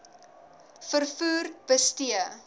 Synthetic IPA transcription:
fərfuːrb̥əstiə

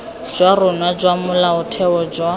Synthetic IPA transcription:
d͡ʒwarʊnwad͡ʒwamʊlaʊtʰɛɔd͡ʒwa

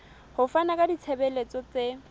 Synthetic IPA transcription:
hʊfanakʼadit͡sʰebelet͡sɔt͡se

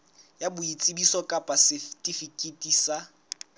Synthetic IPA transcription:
jabʊit͡sʼɪbisɔkʼapʼasɪftʼifikʼetʼiːsa

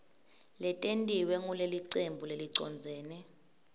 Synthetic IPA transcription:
lɛtʼentʼiwɛŋuleliǀembʱuleliǀɔ̰nd͡zʱɛːnɛ

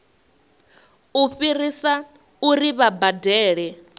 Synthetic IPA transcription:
uɸirisa | uɾiβabadɛːɺɛ

